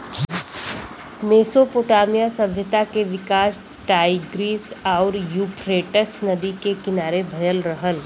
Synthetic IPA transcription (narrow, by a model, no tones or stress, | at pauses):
meːsopoːʈaːmijasɐbʱjət̪akeʋɪkaːs | ʈaːɪɡɾiːsɔːɾjuːpʰɾeːʈəsnɐd̪ikekɪnaːɾebʱɐjəlɾɐɦəl